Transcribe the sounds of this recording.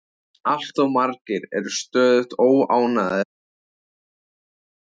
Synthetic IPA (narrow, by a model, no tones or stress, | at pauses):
al̥t̪awmaɾcɪɾɛɾʏst̪œːðʏht̪oːwaːwnaðɪ̥